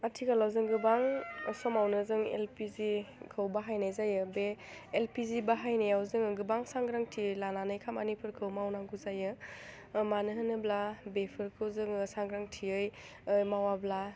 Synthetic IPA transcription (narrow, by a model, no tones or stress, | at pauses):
atʰikalawzɯŋɡɯbaŋɔsɔmawnɯzɯŋḛlpizikʰɯwbaɦajnajzajɯbeː | lpizibaɦajnajawzɯŋɡɯbaŋsaŋɡɾaŋtʰilananajkʰamanipʰɯɾkʰɯwmawnaŋɡuzajɯ | manɯɦɯnɯblabepʰɯɾkʰɯwzɯŋɯsaŋɡɾaŋtʰiɯj | ɯmawabla